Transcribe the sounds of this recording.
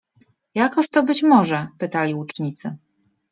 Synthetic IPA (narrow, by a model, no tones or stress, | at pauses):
jakɔɕt̪ɔbɘt͡ɕmɔʐɛpɘt̪alʲiut͡ʂɲit̪sɘ